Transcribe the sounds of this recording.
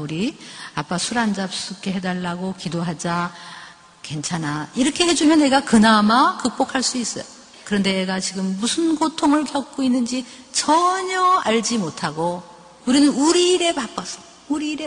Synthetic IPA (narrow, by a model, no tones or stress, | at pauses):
uɾiap͈asʰuɾand͡ʑap̚s͈ɯk͈e̞ɦe̞daɭːaɡokidoɦad͡ʑa | ke̞nt͡ɕʰanaiɾʌkʰe̞he̞d͡ʑumjʌnːe̞ɡakɯnamakɯk̚p͈okʰaɭs͈uis͈ʌjo | kɯɾʌnde̞eɡat͡ɕiɡɯmːusʰɯnɡotʰoŋɯɭkjʌk̚k͈oinːɯnd͡ʑi | t͡ɕʌɲʌaɭd͡ʑimotʰaɡo | uɾinɯnuɾiɾe̞pap͈ʌsʰʌ̥ | uɾiːɾe